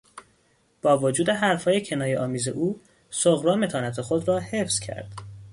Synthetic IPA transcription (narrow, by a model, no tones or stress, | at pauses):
b̥ɒːvod͡ʒuːd̪e̞ɦæɾfhɒːje̞cʰe̞nɒːjeʔɒːmiːze̞ʔuː | soɣɾɒːme̞t̪ʰɒːnæt̪ʰexod̪ɾɒːhe̞fz̥cʰæ̰ɾd̪̥